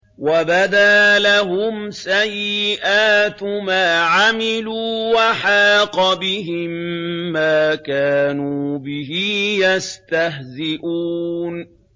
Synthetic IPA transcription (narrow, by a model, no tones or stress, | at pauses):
wabad̪aːlaɦʊmsajːɪʔaːt̪maːʕamɪluːwaħaːqɑbɪɦɪmːaːkaːnuːbɪɦijast̪aɦzɪʔuːn